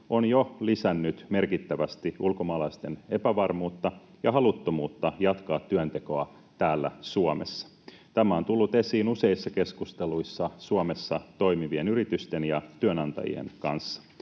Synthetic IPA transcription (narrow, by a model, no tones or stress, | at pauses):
onjolisænːyt̪me̞rkit̪ːæʋæst̪iulkomɑːlɑist̪ene̞pæʋɑrmuːt̪ːɑ | jɑɦɑlut̪ːomuːt̪ːɑjɑt̪kɑːt̪ːyønt̪e̞ko̞ɑ | t̪æːlːæ̰suomesːɑ̥ | t̪æmæo̞nt̪ulːut̪e̞siːnuse̞isːɑke̞skust̪eluisːɑsuome̞sːɑt̪o̞jmiʋie̞nyrit̪yst̪e̞njɑt̪yønɑnt̪ɑ̰jḭḛnkɑ̰nsːɑ̥